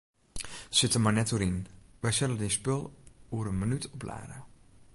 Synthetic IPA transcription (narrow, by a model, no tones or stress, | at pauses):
sɪtəmarnɛtuəɾinʋɛjsɛlədinspølˠuəɾənmənytʰɔpla̰ːɾə